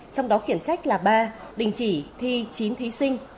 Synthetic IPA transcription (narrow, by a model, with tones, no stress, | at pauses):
t͡ɕɔ˧wŋ͡mɗɔ˨˦xi˧˩ənt͡ɕa˦˥jk̟̚laː˨˩ɓaː˧ɗï˨˩ŋ̟t͡ɕi˧˩t̪ʰi˧t͡ɕi˨˦nt̪ʰi˨˦sï˧ŋ̟